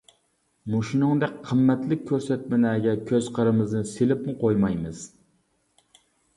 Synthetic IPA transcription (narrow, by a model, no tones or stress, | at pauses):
muʃunɨŋd̪ɛk̚ʲqʰːəmːɛt̪lɪk̚ʲʰːøɾsɛt̪̚mɪnæːɡʲɛkʲʰøzqʰəɾɨmɨznɨselɪpmʊqʰojmɑjmɨz̥